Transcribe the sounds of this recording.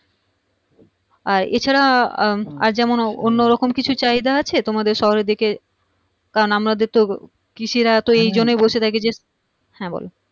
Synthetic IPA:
aɾḛt͡ɕʰaɾa | a̰ɾd͡ʑɛmononːoɾɔkomkit͡ɕʰut͡ɕaid̪aat͡ɕʰet̪omad̪eɾʃɔɦoɾed̪ike | kaɾonamɾad̪eɾt̪o | kiʃiɾat̪oejd͡ʑonːojbolʃʰet̪ʰaked͡ʑe | hɛ̃bo̰lo

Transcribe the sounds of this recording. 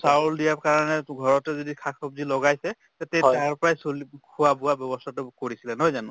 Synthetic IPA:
sauldijaɹkaɹɔnɛɡʱɔɹɔtɛzodikʰakʰɔp̚zilɔɡajsɛ | tatɛaɹpɔɹajsulkʰuwabʊabjɔbɔstʰatʊkoɹisilɛnɔɦɔjzanʊ̰̃

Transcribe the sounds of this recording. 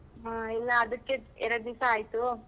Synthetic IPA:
ɦaːilːɐːd̪ɐkːeɛ̰ɾɐɽd̪isɐaːjt̪u

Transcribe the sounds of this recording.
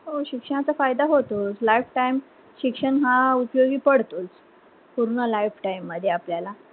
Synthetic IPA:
ɦoɕikʂəɳ̃at͡safajd̪aɦot̪oslajfʈaim | ɕikʂəɳɦaupjoɡiːpəɽt̪os | puɾuɳəlajfʈaimːəd̪ʱjeapljala

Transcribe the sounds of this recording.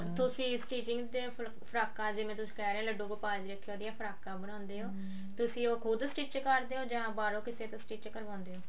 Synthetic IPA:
t̪ʊsĩːɪsʈiːt͡ʃɪŋɡd̪eː | pʰəɾaːkãːd͡ʒɪʋẽːt̪ʊsĩ̥ːkɛːɾɛẽːləɖːõːkoːpaːd͡ʒɾəkʰːjõːd̪ɪjaːpʰəɾaːkãːbənãːnd̪eːɦoː | t̪ʊsĩːoːkʰʊd̪sʈiːt͡ʃkəɾd̪eːɦoːd͡ʒãːbaːɾõːkɪseːt̪əsʈiːt͡ʃkəɾʋãːnd̪eːɦoː

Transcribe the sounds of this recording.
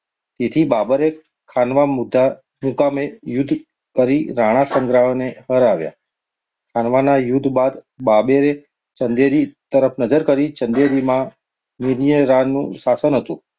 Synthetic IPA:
t̪et̪ʰibabəɾe | kʰanʋamud̪ʱːa | mukamejʊd̪ʱ | kəɾiɾaɽ̃asəŋɡɾaɦneɦəɾaʋja̰ | kʰanʋanajʊd̪ʱbad̪ | babeɾe | t͡ʃənd̪eɾit̪əɾəpʰnəd͡ʒəɾkəɾit͡ʃənd̪eɾimã | niɾijəɾanṵ̃sasənɦət̪ṵ̃

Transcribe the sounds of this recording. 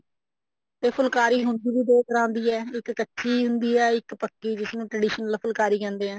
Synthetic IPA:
t̪eːpʰʊlkaːɾiːɦʊnd̪iːbiːd̪oːkəɾãːnd̪iːɛːɪkːətːʃʰiːɦʊnd̪iːɛːɪkpəkːiːd͡ʒɪsnũːʈɾəɖɪːʃnəlpʰʊlkaːɾiːkɛ̃ːnd̪eːɦɛ̃ː

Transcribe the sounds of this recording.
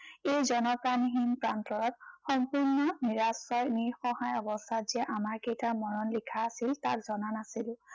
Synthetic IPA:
ejzɔnɔpɹaniɦinpɹantɔɹɔtxɔmpuɹnɔniɹasɔɹniɹxɔhajɔbɔstʰatz̥iɛʔamaɹkejtamɔɹɔnlikʰaːsilta̰k̚zɔnanasil

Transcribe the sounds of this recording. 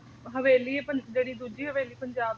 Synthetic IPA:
ɦəʋeːliːepəd͡ʒeːɽiːd̪uːd͡ʒiːɦəʋeːliːpəɲd͡ʒaːb

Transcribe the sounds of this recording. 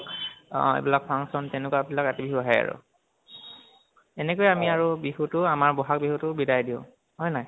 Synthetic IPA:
ḛbilak̚pʰaŋsɔntɛnɛkuabilakatibiɦuɦaja̰ɹʊ̰ | ɛnɛkojɛamiaɹubiɦutʊamaɹbɔɦak̚biɦutʊbidajdiʊ̰̃ | ɦɔjnaj

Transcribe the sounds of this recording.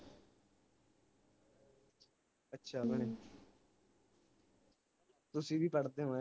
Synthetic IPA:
ətːʃʰaːbəɽ̃e | t̪ʊsĩbʱiːpəɽt̪eɦõɛ

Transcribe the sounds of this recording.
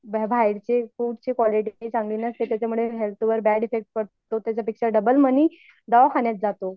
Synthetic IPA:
bbʱajiɽt͡ɕefuːʈt͡ɕiːkʋɔliʈt͡sãŋɡliːnəst̪et̪jat͡ɕamuɭeɦelt̪ʰʋəɾbæɖifek̚ʈ̚kəɽt̪ot̪jat͡ɕjapikʂəɾɖəbəlməni | d̪aʋakʰaɳjat̪̚d͡zat̪o

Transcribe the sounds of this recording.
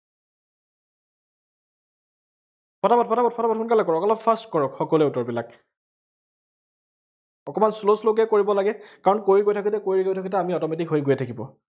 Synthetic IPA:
pʰɔtabɔt̚pʰɔtabɔt̚pʰɔtabɔtʰunkalɛkɔɹɔkɔlɔfʰastkɔɹɔkxɔkɔlɛutɔɹbila̰k | ɔkɔmansloslok̬ɛkoɹibɔlaɡɛkaɹɔnkoɹiɡojtʰakitɛkoɹiɡojtʰakitɛamiɔtɔmetikɦojɡojɛtʰakibɔ̰

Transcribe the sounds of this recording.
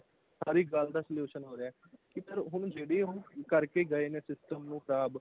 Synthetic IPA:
saːɾiːɡəld̪aːsəljuːʃənɦoːɾeaɛː | kɪpəɾɦʊɳd͡ʒeːɽeːɦʊɳkəɾkeːɡəeːneːsɪsʈəmnũːkʰəɾaːb

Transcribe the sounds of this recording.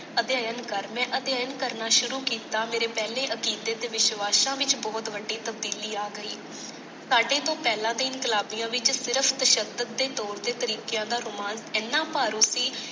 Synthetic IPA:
əd̪jaːjənkəɾmɛ̃ːʔəd̪ɪjaːjənkəɾnaːʃʊɾuːkiːt̪aːmeːɾeːpɛːleːʔəkiːd̪eːt̪eʋɪʃʋaːʃãːʋɪt͡ʃbɔːt̪ʋəɖːiːt̪əb̚d̪iːliːaːɡəiː | saːɖeːt̪õːpɛːlãːd̪eːɪnkɪlaːbijãːʋɪt͡ʃsɪɾəpʰt̪əʃəd̪ət̪̚d̪eːt̪ɔːɾd̪eːt̪əɾiːkejãːd̪aːɾʊmaːnsɛːnːãːpaːɾũːsiː

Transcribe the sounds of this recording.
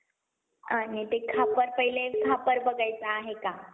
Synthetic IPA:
ənet̪ekʰapəɾpəɦilekʰapəɾbəɡajt͡saːɦeka

